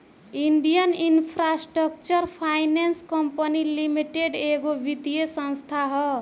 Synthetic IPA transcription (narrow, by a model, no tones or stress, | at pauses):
iɳɖijʌninpʰɾasʈrʌkt͡ʃʌrpʰajnenskʌmpʌnilimiʈeɖeɡobit̪ijesʌ̃nst̪ʰaɦʌ